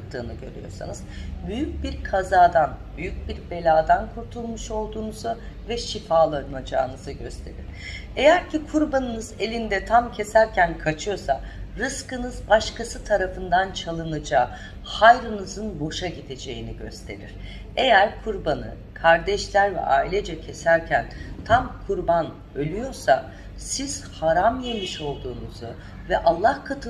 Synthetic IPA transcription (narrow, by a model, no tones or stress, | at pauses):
t̪ʰːɯ̰ːnɯɟø̞̰ɾy̰jo̞̰sa̰nɯz̥byjyc̚biɾkʰazaːd̪anbyjyc̚biɾbe̞lʲaːd̪ankʰuɾt̪ʰulˠmuʃo̞lˠd̪uːnuzʊ | vɛʃifaːlˠanad͡ʒa̰ːnɯzɯɟø̞st̪ʰe̞ɾḭɾ̥ | e̞jæɾcʰikʰuɾbanɯnɯze̞lʲind̪ɛt̪ʰamcʰe̞sæɾcʰænkʰat͡ʃʰɯjo̞saɾɯskɯnɯzbaʃkʰasɯt̪ʰaɾafɯnd̪ant͡ʃʰalˠɯnad͡ʒaː | hajɾɯnɯzɯnbo̞ʃaɟid̪e̞d͡ʒe̞jiniɟø̞̰st̪ʰe̞̰ɾḭɾ̥ | e̞jæɾkʰuɾbanɯ̰ | kʰaɾd̪ɛʃlʲæɾvɛ̰ʔa̰ːilʲɛd͡ʒɛcʰe̞sæɾcʰænt̪ʰamkʰuɾban | ø̞lʲyjo̞ɾsa | siz̥haɾamje̞miʃo̞lˠd̪uːnuzu | vɛʔalˠːahkʰat̪ʰɯ